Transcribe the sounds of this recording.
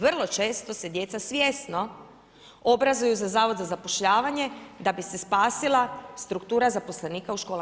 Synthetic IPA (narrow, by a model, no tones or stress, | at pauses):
ʋrlˠo̞t͡ʃe̞ːst̪o̞se̞d̪je̞t̪sasʋje̞ːsno̞ | obɾazujuzazaːʋozazapoʃʎaːʋaɲe̞d̪abise̞spaːsilˠast̪ɾukt̪uːɾazapo̞sle̞niːkauʃkoːl